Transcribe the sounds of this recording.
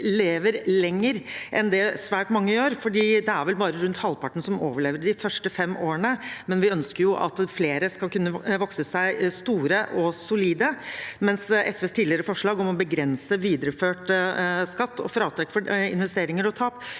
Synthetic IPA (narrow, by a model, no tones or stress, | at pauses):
leːʋəɾlɛŋːəɾʔɛ̰nd̪ɛsʋæːʈmɑŋːəjøːɾfɔɖiːd̪ɛæɾʋɛlbɑːɾəɾʉnt̪hɑlpʰɑʈɳ̩sɔmoːʋəɭeːʋəɖɪfœʂʈəfɛmːʔoːəɳəmɛnʋɪœnskəɾjʊʔɑ̰t̪fleːɾəskɑlkʉnːəʋɔksəsæɪst̪uːɾəʔɔsʊliːd̪əmɛnsɛsʋeːst̪ʰiːd̪lɪəɾəfɔʂɭɑːɡɔmɔbəɡɾɛnsəʋiːd̪əɾəføːʈskɑt̪ːɔ̰fɾɑːt̪ʰɾɛkːfɔɪ̰nʋɛst̪eːɾɪŋəɾɔt̪ʰɑːp